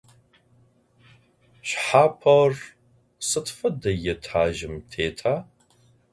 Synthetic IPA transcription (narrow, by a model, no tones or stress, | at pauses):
ɕħaːpʰɐr | sɨtʰfɐdɐjɛtʰaːʒɪmtʰeːtʰaː